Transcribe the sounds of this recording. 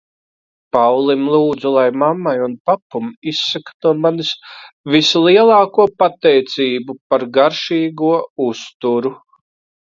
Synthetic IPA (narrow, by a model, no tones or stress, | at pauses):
pawlˠimlˠuːd̪zulˠajmamːajunpapːumisːakḁnuɔmanisvislˠiɛlˠɑːkuɔpat̪ɛjt̪siːbupaɾɡaɾʃiːɡuɔust̪uɾu